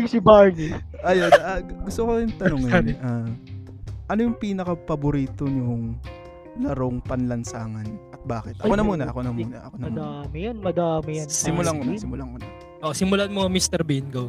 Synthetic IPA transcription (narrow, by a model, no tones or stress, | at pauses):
ɪŋsɪbaːniʔɐjonaɡʊst̪okojʊŋt̪ɐnoŋɐnʔaː | ʔɐnojʊŋpiːnɐkɐpɐbʊɾiːt̪onoŋ | lɐɾoŋpɐnlɐnsaːŋɐnʔɐt̪̚baːkɪt̪̚ʔɐkonɐmuːnɐʔɐkonɐmuːnɐʔɐkonɐmɐmːd̪amɪjɐnmɐd̪aːmɪjɐnsɪmʊlamonɐsɪmʊlaŋonɐ | ʔoʔosɪmʊlanmoŋɐmist̪ɛɾbinɡow